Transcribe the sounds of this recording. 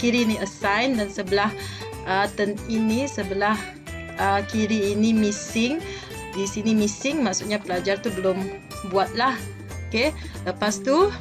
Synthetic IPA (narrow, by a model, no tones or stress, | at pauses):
kiɾiniəsajndansəbəlah | ət̪əninisəbəlah | əkiɾiːnimisɪŋ | disinimisɪŋmaʔsuʔ̚ɲapəlad͡ʒart̪ubəlʊm | buat̪̚lah | oke | ləpast̪u